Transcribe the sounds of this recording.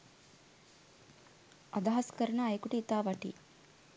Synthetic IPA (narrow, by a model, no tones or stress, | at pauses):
ʔɐd̪ɐɦɐskəɾɐnaːekuʈiːt̪aːʋɐʈḭː